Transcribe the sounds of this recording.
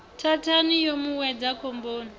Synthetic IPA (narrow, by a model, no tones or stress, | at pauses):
tʰatʰanijomuwɛd͡zakʰomboːni